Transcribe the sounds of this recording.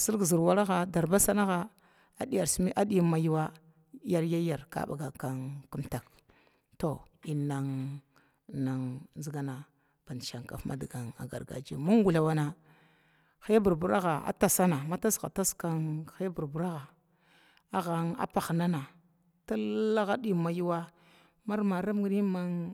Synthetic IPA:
si˦ɾɡzi˨ɾwa˦ɾa˦ɣa˨da˨ɾba˦sa˦na˦ɣa˦ | a˦ɗi˦ja˨ɾsi˦mi˦ʔa˦di˦ma˨ji˦wa˦ | ja˦ɾja˦ja˨ɾka̰˦ba̰˨ɡa˨ka˦ŋku˦mta˨k | to˨ | i˨na˨ŋ | na˨ŋnzi˦ɡa˦na˨ | b̥a˨n˨ʃa˨ŋka̰˨fmʔa̰˦di˨ɡa˨ŋa̰˨ɡa˨ɾɡa̰˨d͡ʒi˨ma˦ŋ˦ɡu˨la˨wa˨na˨ | xa˦bu˨ɾbu˨˦ɾa˦ɣa˨a̰˦ta˨sa˦na˨ma˦ta˦sɣa˨ta˦ska˦nxa˦bu˨ɾbu˨ɾa˦ɣa˨ | a˦ɣa˨na̰˦pa˨xna˦na˨ | ta˦la˦ɣa˦ɗi˦ma˨ju˦wa˦ | ma˦ɾma˨ɾa˦m˦ɡɾi˦ma˦ŋ

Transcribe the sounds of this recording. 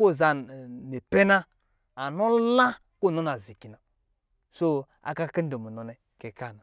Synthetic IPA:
o˦˨za˨ne˨pɛ˦na˦ | a˨nɔ˦la˦ | ko˦˨nɔ˨˦na˨zi˨ki˨na˨ | so˦ | a̰˨ka˦kɛ˦n˦do˨mu˨nɔ˨nɛ˨ | kɛ˨ka˦˨na˨

